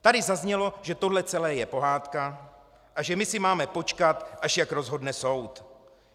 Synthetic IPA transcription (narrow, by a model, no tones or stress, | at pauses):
t̪adɪzazɲɛlo̞ʒɛt̪o̞dlɛt͡sɛlɛːjɛpo̞ɦaːt̪ka | ʔaʒɛmɪsɪmaːmɛpo̞t͡ʃkat̪ʔaʃjakɾo̞zɦo̞dnɛso̞wt̪